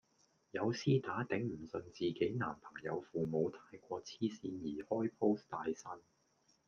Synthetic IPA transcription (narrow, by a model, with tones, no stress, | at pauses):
jɐ˨˧wsiː˥t̪aː˨˥t̪ɛ˨˥ŋm̩˨˩sɵ˧nt͡siː˨ke˨˥jna̰ː˨˩mpʰɐ˨˩ŋjɐ˨˧wfuː˨mo˨˧wt̪ʰaː˧jkʷɔː˧t͡sʰiː˥siː˧njiː˨˩hɔː˥jpʰo˥wst̪aː˧jsɐ˥n